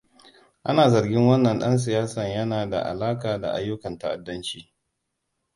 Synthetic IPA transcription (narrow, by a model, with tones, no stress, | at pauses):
ʔa˦naː˨zɐ˨rɡʲɪ˦ŋwɐ˦nːɐ˨nɗɐ˦ns̬ɪ˨jaː˦sɐ˨ɲjɐ˦naː˨da̰˨ʔa̰˨laː˦kaː˨da̰˨ʔa˦jːʊ˦kɐ˨nta˦ʔa̰˨dːɐ˦nt͡ʃiː˨